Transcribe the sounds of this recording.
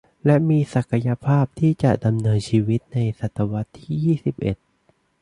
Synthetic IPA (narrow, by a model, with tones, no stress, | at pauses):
lɛ˦˥miː˧sa˨˩kʰa˧ja˧pʰaː˥˩p̚t̪ʰiː˥˩t͡ɕa˨˩ʔda˧mnɤː˧nt͡ɕʰiː˧wi˦˥t̪̚na˧jsa˨˩t̪ʰːa˧wa˦˥t̪ʰːiː˥˩jiː˥˩si˨˩p̚ʔe˨˩t̪̚